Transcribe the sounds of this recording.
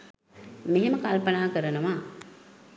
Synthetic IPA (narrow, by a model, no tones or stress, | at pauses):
meɦeməkalpənaːkəɾənəʋa